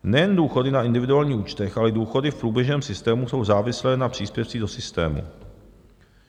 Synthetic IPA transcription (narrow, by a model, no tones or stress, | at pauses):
nɛjɛnduːxo̞dɪnaɪndɪvɪduaːlɲiːuːt͡ʃt̪ɛxʔalɛduːxo̞dɪfpɾuːbjɛʒnɛːmsɪst̪ɛːmuso̞wzaːvɪslɛːnapr̥iːspjɛft͡siːdo̞sɪst̪ɛ̰ːmṵ